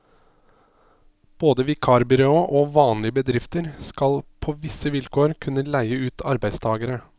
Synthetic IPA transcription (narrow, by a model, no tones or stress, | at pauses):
b̥oːd̪əʋɪkʰɑːɾbɪɾoːʔoːʋɑːnlɪəbəd̪ɾɪft̪əɾskɑlpʰoːʋɪsəʋɪlkʰoːɾkʰʉnːəlæɪəʉːt̪ʰɑɾbæɪst̪ʰɑːɡəɾə